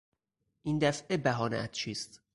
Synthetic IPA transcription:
ʔiːnd̪æfʔebæɦɒːneʔæt̪t͡ʃʰiːst̪

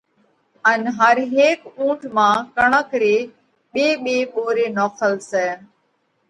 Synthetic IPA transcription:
ənɦəɾɦeːkũːʈʰmãːkəɳ̃aːkɾeː | ɓeːɓeːɓoːɾeːnɔːkʰəlsɛː

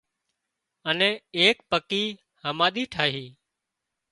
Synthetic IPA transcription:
ənɛ̃ːeːk̚pəkiː | həmaːɗ̪iːʈʰaːɦiː

